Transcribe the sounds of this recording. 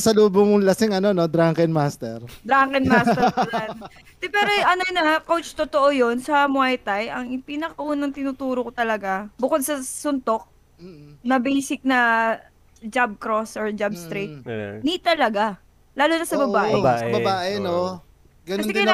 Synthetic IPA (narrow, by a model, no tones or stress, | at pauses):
sɐluːbʊŋlɐsɪŋɐno̞nod̪ɾaŋkɛnmaːst̪ɛɾd̪ɾaŋkɛnmaːs | ɛpɛːɾoʔɐnonɐkowt͡ʃt̪ot̪oʔojo̞nsɐmʊajt̪ajʔɐŋɪpinɐkɐʔuːnɐŋt̪ɪnʊt̪uːɾokot̪ɐlɐɡabʊkod̪̚sɐsʊnt̪o̞k̚ː | nɐbejsɪk̚nɐ | d͡ʒab̚kɾosoɹd͡ʒabst̪ɾik̪̚nit̪ɐlɐɡa | laːlunɐsɐbɐbaːʔʔɛsɐbɐbaːʔɛno | ɡɐnkɐɛd̪kɐj